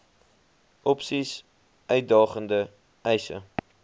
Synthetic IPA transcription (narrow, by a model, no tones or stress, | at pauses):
ʔɔpsis | ʔœɥt̚dɑːχəndə | ɛjsə̰